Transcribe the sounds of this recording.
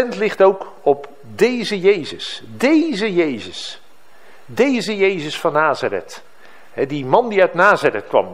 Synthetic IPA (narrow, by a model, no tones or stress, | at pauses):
ɛntlɪχtowk | ɔp | dejzəjejzəsdejzəjejzəs | dejzəjejzəsfɑnaːzərɛ̰t | ɦɛdimɑndiœɥtnaːzərɛt̚kʋɑ̰m